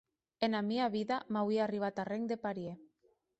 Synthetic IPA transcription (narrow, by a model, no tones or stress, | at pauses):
enamiaβiðamawiariβ̞at̪areŋd̪epaɾje